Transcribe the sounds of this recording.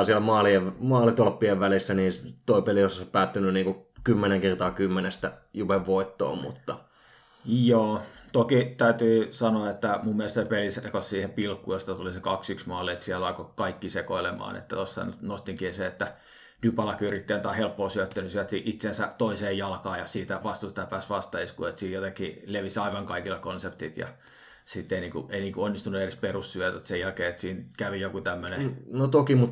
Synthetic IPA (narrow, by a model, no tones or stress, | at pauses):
siælmɑːlieʋmɑːlit̪olpːieʋʋælisːæniːt̪oipeliosɑsɑpæːt̪ːynyniːŋkukymːeneŋkert̪ɑːkymːenest̪æjupeʋʋoit̪ːo̰ːmmṵt̪ːɑ | joːt̪okit̪æyt̪yːsɑnoɑet̪ːæmumːielest̪sepelisekossiːhepilkːujost̪ɑt̪ulisekɑksyksmɑlːiet̪siɛlɑkokɑikːisekoilemɑ̰ːnḛt̪ːæt̪osːɑ̰nnost̪iŋkieseet̪ːæ | nypɑlɑkyrit̪ːeːnt̪ɑhelpːoːsyøt̪ːænysiælt̪ːiʔit̪sensæt̪oiseːjjɑlkɑːjɑsiːt̪æʋɑst̪ust̪æpæːsʋɑst̪ɑiskṵːet̪siːjjot̪ekːileʋisɑiʋɑŋkɑikilːɑkonsept̪it̪jɑ̰ | sit̪ːeiniːŋkṵeiniːkuonːist̪unuedesperussyøt̪æt̪sejælkeːet̪siːnkæʋijokut̪æmːønenot̪okimut̪